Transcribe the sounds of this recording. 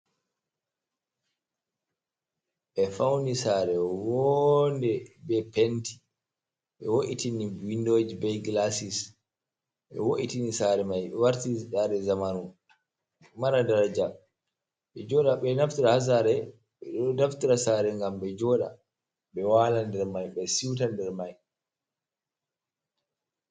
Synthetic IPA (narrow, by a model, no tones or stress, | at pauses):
ʔɛfawnisaːɾɛwɔndɛbɛpenti̥ | ɓɛwoʔitiniwindod͡ʒibɛjɡlasis | ɓɛ̰woʔitinisaɾɛmajwaɾtiziɗaɾɛzamanu | maɾadaɾad͡ʒa | ɓɛd͡ʒɔɗaɓɛnaftiɾahas̬aɾɛ | ɓɛɗɔdaftiɾasaːɾɛŋɡamɓɛd͡ʒɔɗa̰ | ɓɛwalandɛɾmajɓɛsiwt̬andɛɾmaj